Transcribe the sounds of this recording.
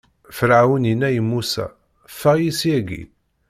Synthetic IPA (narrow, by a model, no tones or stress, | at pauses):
fəɾʕawəninæjəmːusæ̰ | fæjisjæɡḭ